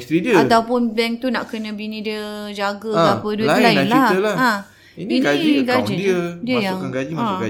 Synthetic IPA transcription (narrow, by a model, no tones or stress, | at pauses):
st̪ɾidiəat̪awpʊnbɛŋ̚t̪unaʔkənə̃binĩdiəd͡ʒaɡəapəduɪlaɪnlliahəlah | ininiɡad͡ʒəədiəjaŋkanɡad͡ʒimaauɡa